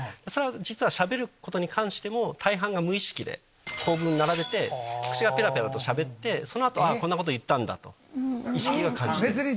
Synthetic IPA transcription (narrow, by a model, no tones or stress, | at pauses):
d̪̥e̞so̞ɾead͡ʑit͡sɨβaɕabe̞ɾɯ̟ko̞t̪o̞ɲ̟ikʰãɰ̃ɕi̥t̪e̞mo̞t̪ʰaiɦãŋɡamɯ̟iɕi̥kʲid̪e̞̰ | kʰo̞ːbɯ̟̃nːaɾabe̞t̪ekɯ̟̥t͡ɕiɡape̞ɾape̞ɾat̪o̞ɕabe̞t̪ːe̞so̞noat̪o̞akonːako̞t̪ojɯ̟t̪ːãnd̪a̰t̪o̞̰ | iɕi̥kʲiɡakãɲd͡ʑie